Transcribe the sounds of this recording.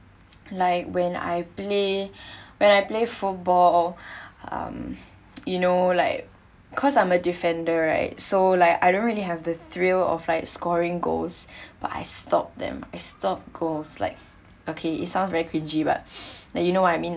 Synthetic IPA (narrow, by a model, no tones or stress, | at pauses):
laɪkwɛ̃na̰jple | wɛ̃najplefut̚bɔl | ʌ̰̃m | junolaɪk̚ | kʰɔsãɪ̃mədifɛ̃ndəɹa̰ɪt̚solaɪkaɪdõntɹiliɦɛvdəθɹilɔ̰flaɪkskɔɹɪ̃ŋɡo̰lsb̥ata̰jstɔp̚d̪ɛ̰̃ma̰ɪstɔp̚ɡ̥olsla̰ɪk̚ | okʰeḭtsãʊ̃nsvɛɹikʰɹĩnd͡ʒiba̰t̚lajunowɔtaɪmĩn